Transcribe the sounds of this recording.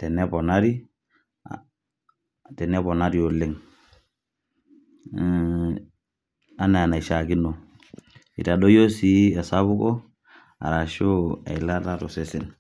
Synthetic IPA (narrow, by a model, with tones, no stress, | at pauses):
tɛ˨ne˦pɔ˨na˦ɾi˦ | tɛ˨ne˦po˨na˦ɾi˨jo˨le˦ŋ | a˦ne˨a˨na˨i˨ʃa˨ki˦no˨ | ḭ˨ta˨ɗo˦jo˦si˦e˨sa˦βu˦ko˦ | a̰˨ɾa˨ʃo˦a̰˨i˨la˦ta˦to˨se˦sɛ˦n